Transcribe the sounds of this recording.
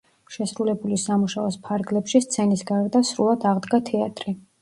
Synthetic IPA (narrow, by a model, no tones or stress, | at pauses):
ʃɛsɾulɛbulisamuʃaɔspʰaɾɡlɛpʃist̪sʰɛnisɡaɛɾd̪asɾulˠad̪aʁd̪ɡat̪ʰɛat̪ʼɾi